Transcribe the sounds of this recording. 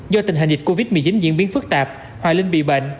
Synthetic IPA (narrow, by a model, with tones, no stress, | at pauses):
zɔ˧t̪i˨˩ŋ̟ɦa̰˨˩ŋ̟zi˨˩k̚ko˧vi˦˥t̚mɨ˨˩ət͡ɕi˨˦nzḭ˧ənɓi˨˦ənfɨ˦˥k̚t̪aː˨˩p̚ | hwa̰ː˧˩lï˧ŋ̟ɓḭ˧˨ɓə̰˧˨ŋ̟